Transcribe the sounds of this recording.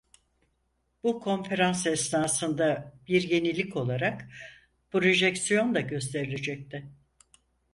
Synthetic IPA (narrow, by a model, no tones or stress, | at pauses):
b̥ukʰo̞nfe̞ɾansɛsnaːsɯnd̪abiɾje̞nilʲːicʰo̞lˠaɾak | pɾo̞ʒɛcsijo̞nlaɟø̞s̬t̪ʰe̞ɾilʲe̞d͡ʒɛc̚t̪ʰɪ